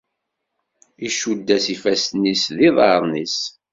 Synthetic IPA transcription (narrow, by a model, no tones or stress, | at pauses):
iʃud̪ːæsifæsnisðiðˤɑɾˤnis